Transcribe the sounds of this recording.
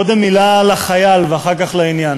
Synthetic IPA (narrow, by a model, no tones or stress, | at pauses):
od̪emːilalaχajalveaχaʁkaχlainjan